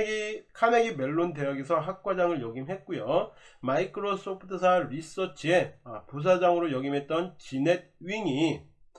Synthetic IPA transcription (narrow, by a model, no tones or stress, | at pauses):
ikʰane̞ɡimeɭːonde̞jaɡesʰʌɦak̚k͈wad͡ʑaŋɯɭjʌɡimɦe̞t̚k͈ujomaikʰɯɾos͈opʰɯtʰɯs̬ʰaɾis͈ʌt͡ɕʰie̞apus̬ʰad͡ʑaŋɯɾojʌɡimɦe̞t̚t͈ʌnt͡ɕine̞d̚ɥiŋi